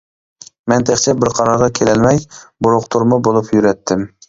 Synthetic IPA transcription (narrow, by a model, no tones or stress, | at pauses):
mɛnt̪ʰeχt͡ʃʰɛbɪɾqʰɑɾɑɾʁɑkʲʰelɛlmɛjbʊɾʊqt̪ʰuɾmʊbolˠupʰjyɾɛt̪ʰːɪm